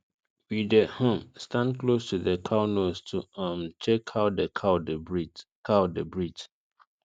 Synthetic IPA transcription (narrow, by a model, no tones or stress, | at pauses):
widəhõmstãndklostʰuðəkʰaʊnostʰuãmt͡ʃɛkʰaʊt̚dəkʰaʊdəbikʰaʊdəbɹid͡ʒ